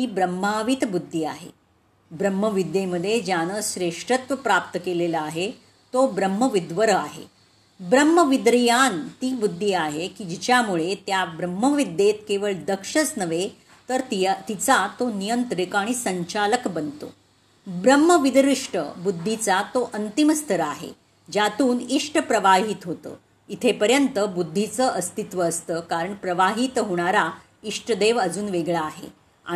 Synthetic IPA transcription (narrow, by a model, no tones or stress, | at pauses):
ɦ̪iːbɾəmːaʋit̪bud̪ʱːia̰ɦḛ | bɾəmːəʋid̪ʱjeməd̪ʱːjed͡ʑjanəɕɾeʂʈɾət̪ʋəpɾapt̪əkelelaaɦe | t̪obɾəmːəʋid̪ʋəɾəaɦḛ | bɾəmːəʋid̪ɾijant̪iːbud̪ʱːiaɦekid͡ʑit͡ɕjamuɭet̪jabɾəmːəʋid̪ʱet̪̚keʋəɭd̪əkʂəsnəʋe | t̪əɾt̪it͡sat̪onijənt̪ɾikaɽ̃isəɲt͡ɕaləkbənt̪o̰ | bɾəmːəʋid̪ɾiʂʈə̰bud̪ʱːit͡sat̪oʔənt̪iməst̪ʰəɾəaɦḛ | d͡ʑjat̪uːniʂʈʰəpɾəʋaɦiːt̪ɦot̪ə̰ː | it̪ʰepəɾjənt̪əbud̪ʱːit͡səʔəst̪it̪ʋəːst̪əːkaɾəɳpɾəʋaɦit̪ɦoɽ̃aɾa | iʂʈʰəd̪eʋəd͡zuːnʋeɡɭaːɦḛ | a̰